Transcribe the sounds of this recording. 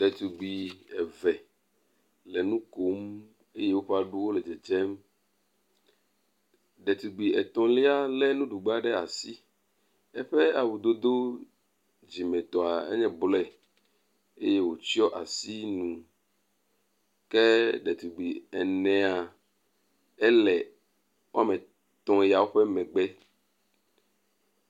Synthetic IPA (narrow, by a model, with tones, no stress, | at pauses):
ɖɛ˨t̪u˨ɡ͡bi˨ɛ˨vɛ˨ | lɛ˨nũ˦ko˦m | e˦je˦wo˦ɸa˦ɖu˦wo˦lɛ˨d͡ʒɛ˨d͡ʒɛ˦m | ɖɛ˨t̪u˨ɡ͡bi˨ɛ˨t̪ɔ̃˨li˦a˦lɛ˦nũ˦ɖu˨ɡ͡ba˦ɖɛ˦a˨si˦ | ɛ˦ɸɛ˦a˨wu˨d̪o˦d̪o˦ | d͡ʑi˨mɛ̃˨t̪ɔ˨a˨ḛ˦ɲɛ̃˨blɛ˦˨ | e˦je˦wo˨t͡ɕi˦ɔ˦ʔa˨si˦nũ˨ | kɛ˦ɖɛ˨t̪u˨ɡ͡bi˨ɛ˨nɛ̃˨a˨ | ɛ˦lɛ˨ | wo˦a˦mɛ̃˨ | t̪ɔ̃˨˦ja˨wo˦ɸɛ˦mɛ̃˨ɡ͡bɛ˦